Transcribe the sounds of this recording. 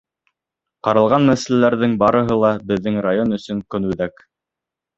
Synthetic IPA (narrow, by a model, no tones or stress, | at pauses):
qɑɾɑ̆lˠʁɑnːæsælælæɾðɘŋbɑɾɤ̆ɦɤlˠɑbɘ̆ðːɘŋrajonɵ̆sɵ̆ŋkɵnʉðæk